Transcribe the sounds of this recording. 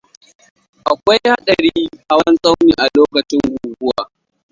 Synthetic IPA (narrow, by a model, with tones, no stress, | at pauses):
ʔa˨kʷa˦jha˦ɗɐ˨ɾiː˦ʔa˦wɐ˦nsʼa˦wniː˨ʔa˨loː˦kɐ˨t͡ʃɪ˦ŋɡʷuː˨ɡʷʊ˦wa̰ː˨